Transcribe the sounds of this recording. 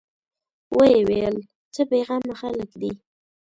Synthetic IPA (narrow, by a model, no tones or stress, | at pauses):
wəjewel | t͡səpeɣɑmaxaləkd̪i